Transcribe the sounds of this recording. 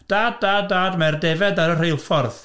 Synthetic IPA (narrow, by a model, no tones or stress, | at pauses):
d̥aːd̚daːdaːdmɛrdɛvɛdaɾərejlˠfɔrð